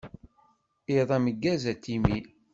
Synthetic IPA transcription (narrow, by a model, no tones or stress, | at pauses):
iðˤæməɡːæzæt̪ːimi